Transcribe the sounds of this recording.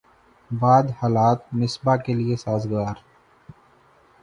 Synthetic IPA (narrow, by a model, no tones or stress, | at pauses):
baːd̪haːlaːt̪̚nɪsbakeliesaːzɡaːɾ